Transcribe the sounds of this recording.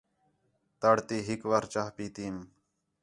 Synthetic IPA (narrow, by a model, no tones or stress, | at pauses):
t̪əɽt̪iːɦikʋaɾt͡ʃaːɦpiːt̪iːm